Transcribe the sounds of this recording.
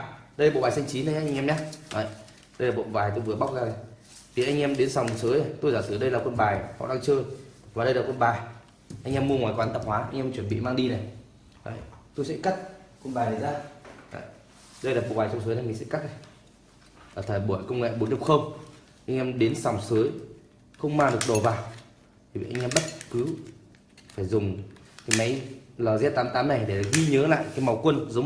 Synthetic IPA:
ɗə˧ja˨o̰˧˨ɓaː˨˩sa˧jŋt͡ɕi˨˦na˨˦jɲa˧˦ʔa˧ŋʔɛ˧mɲa˨˦ə˨j | ɗə˧jlaː˨˩ɓo̰˧˨vaː˨˩jt̪o˧jvɨ˨˩əɓa˦˥k͡p̚zaː˧na˨˩ | t̪ʰi˨˩ʔa˧jŋ̟ʔɛ˧mɗe˨˦nsa˨˩wŋ͡msəː˨˦jna˨˩jt̪o˧jzaː˧˩sɨ˧˩ɗə˧jlaː˨˩kwə˧nɓaː˨˩jhɔ̰˧˨ɗaː˧ŋt͡ɕəː˧jvaː˨˩ɗə˧jlaː˨˩kwə˧nɓaː˨˩j | ʔa˧ŋʔɛ˧mːu˧əŋwaː˨˩jkwaː˨˦nt̪ə˨˩p̚hwaː˨˦ʔa˧jŋ̟ʔɛ˧mt͡ɕwə˧˩nɓḭ˧˨maː˧ŋɗi˧na˨˩j | ə̰˨t̪o˧jsɛ̰˧˥ka˦˥t̚kwə˧nɓaː˨˩jna˨˩zaː˧a̰˧˨˩j | ɗə˧jlaː˨˩pɓṵ˨˩kwaː˨˩t͡ɕɔ˧wŋ͡ms̬ɨː˨˦jna˨˩mi̟˨˩sɛ̰˧˥ka˦˥k̚na˨˩j | aː˨˩t̪ʰəː˧˨˩jɓu˧˩əjkə˧wŋ͡mŋḛ˧˨ɓnɗi˧˩xə˧wŋ͡m | ʔa˧jŋ̟ʔɛ˧mɗe˨˦nsa˨˩wŋ͡msɨ˨˦j | xə˧wŋ͡mmaː˧˩ɗɨ˨˩ək̚ɗo˨˩vaː˨˩w | t̪ʰi˨˩vḭ˧˨ʔa˧ŋ̟ʔɛ˧mɓə˦˥t̚kɨ˨˦ | faː˧˩jzʊ˨˩ŋ͡mkaː˨˦jma˨˦jləː˨˩zɛ˦˥t̚t̪aː˨˦mt̪aː˨˦mna˨˩jɗe˧˩˨ɣi˧ɲəː˨˦la̰ː˧˨jkaː˨˦jma˨˩wkwə˧nzə˨˦

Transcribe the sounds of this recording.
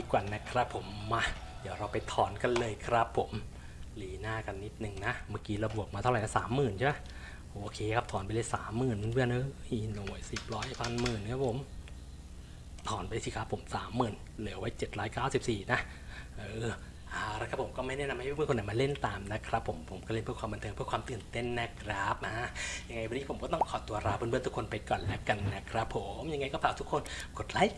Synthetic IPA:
iː˧kwaː˨˩na˦˥kʰɾa˦˥pʰːo˩˦mːa˦˧˥ | d̪i˨˦wɾa˧wpa˧jt̪ʰɔː˨˩˦nka˧nlɤː˧jkʰɾa˦˥pʰːo˩˦m | liː˨˦naː˥˩ka˧nːi˦˥t̪̚nɯ˨˩ŋna˦˥maː˥˩kiː˧ɾa˧bu˨˩ək̚maː˧t̪ʰa˥˩wɾa˨jna˦˥saː˩˦mːɯː˨˩nt͡ɕʰa˥˩ma˥˨ | ʔoː˧kʰeː˧kʰa˦˥p̚t̪ʰɔː˨˩˦npa˧jlɤː˧˥sa̰ː˨˩˦mːɯː˨˩n˧ɯ˧˩ənʔɯ˧i˧˩no˨˩˦jsi˨˩p̚ɾɔː˦˥jpʰa˧nmɯː˨˩nkʰaː˦˥˩pʰo˨˩˦m | t̪ʰɔː˨˩˦npa˧siː˧˩kʰɾa˦˥pʰːo˩˦msaː˩˦mːɯː˨˩n | lɯ˩˦wa˦˥jt͡ɕe˨˩t̪̚ɾɔː˦˥jkaː˥˩wsi˨˩p̚siː˨˩na˦˥ | ʔɯː˧˩ | ʔaː˧˩˧ɾa˧˥˩kʰa˦˥pʰo˨˩˦mkɔː˥˩ma˥˩jnɛː˥˩na˧mha˥˩pʰːkʰːna˨˩jmaː˧le˥˩nt̪aː˧mna˦˥kʰɾa˦˥pʰːo˩˦mpʰo˨˩˦mkɔː˥˩le˥˩npʰɯ˥˩əkwaː˧mːa˧nt̪ʰɤː˧pʰɯ˥ɐkʰwaː˧mt̪ɯ˨˩nt̪e˥˩nːa˦˥kʰɾa˦˥p̚a˦˥ʔja˧ŋːa˧jwa˧niː˦˥pʰo˩˦mkɔː˥˩t̪ɔ˥˩ŋkʰɔː˨˩t̪u˧ɐɾaː˧˥pːnbɯ˧˥˨nt̪ʰu˦˥kʰo˧npa˧jkɔː˨˩nlɛ˦˥wka˧nːa˦˥kʰɾa˦˥pʰːo˩˦mja˧ŋa˧jkɔ˥˩pʰaː˨˩t̪ʰu˦˥kʰːo˧nko˨˩t̪̚laː˦˥j

